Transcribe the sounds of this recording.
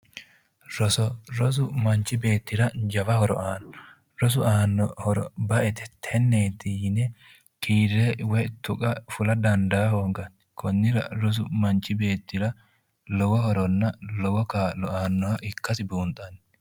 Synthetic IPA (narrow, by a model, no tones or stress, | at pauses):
ɾɔsɔɾɔs̬ʊmɐnt͡ʃːɪbe̞ːt̪ːɪɾɐd͡ʒɐbɐhɔɾɔ̰ʔaːnɔ | ɾɔs̬ʊaːnːɔhɔɾɔ̰bɐʔɛt̪ɛ̥t̪ʰɛnːeːt̪iːnɛ | kʰiːɾːɛwɛt̪ʊkʼɐfʊlɐd̪ɐnd̪aːhoːŋɡɐn | kʰɔnːɪɾɐ̰ɾɔs̬ʊmɐnt͡ʃːɪbe̞ːt̪ːɪɾɐ | lɔwɔhɔɾɔnːɐlɔwɔkaːlɔaːnːɔwɐʔɪkːɐsɪbuːnt̪ʼɐn